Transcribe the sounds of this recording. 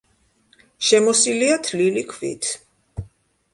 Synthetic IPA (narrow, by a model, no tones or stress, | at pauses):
ʃɛmɔsiliat̪ʰlilikʰvḭt̪ʰ